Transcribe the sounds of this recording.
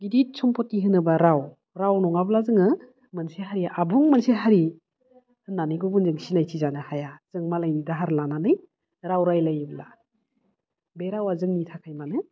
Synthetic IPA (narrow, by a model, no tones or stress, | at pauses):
ɡidit̚sʰɔmpʰɔtːiɦɯnɯbaɾaw | ɾawnɔŋablazɯŋɯ | mɯnseɦaɾiʔabuŋmanseɦaɾi | hɯnːanɯjɡɔbunzɯŋsinajtʰizanɯhajaz̥ɯŋmalajnidaɦaɾlananɯj | ɾawɾajlajbla | beɾawazɯŋnitʰakʰajmanɯ